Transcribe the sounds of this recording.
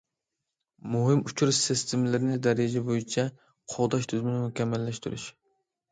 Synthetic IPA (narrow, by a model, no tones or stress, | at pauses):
muɦɪmut͡ʃʰuɾʃsɪst̪ʰɪmɪlɪɾɪnɪd̪ɛɾɪd͡ʒɛbojit͡ʃʰɛ | qʰɑʁd̪ɑʃt̪ʰyzmɪnɪmʊkʲɛmːɛlːɛʃt̪ʰuɾy̰ʃ